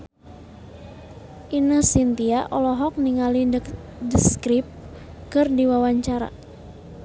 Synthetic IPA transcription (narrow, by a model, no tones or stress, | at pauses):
ʔinəsint̪iaʔɔlɔɦɔk̚niŋali | dəskɾip̚ | kɨrdiwawaɲt͡ʃaɾa̰